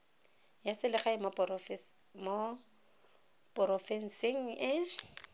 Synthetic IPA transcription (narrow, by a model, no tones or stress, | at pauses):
jasɪlɪχaɪm | mo | pʼɔɾɔfɛn̩sɪŋ̩ɪ